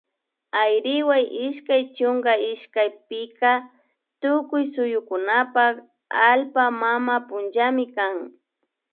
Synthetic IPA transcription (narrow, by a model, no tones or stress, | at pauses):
ajɾɪwajʔɪʃkajt͡ʃʊŋɡaɪʃkajpɪka | t̪ʊkʊjsʊjʊkʊnapak | alpamamapʊnd͡ʒamɪkaŋ